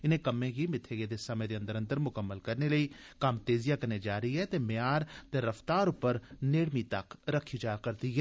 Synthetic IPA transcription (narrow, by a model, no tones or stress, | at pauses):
ɪnẽːkəmẽːɡiːmɪt̪ʰeːɡed̪eːsəmẽd̪eːə̃nd̪əɾə̃nd̪əɾmʊkəmːəlkəɾneləiː | kɐmt̪eːzɪjaːkəɾneːd͡ʒaːɾiɦɛːt̪eːmejaːɾt̪eɾəft̪aːɾʊpːəɾneːɽmit̪əkɾəkʰːid͡ʒaːkəɾd̪iːɦɛː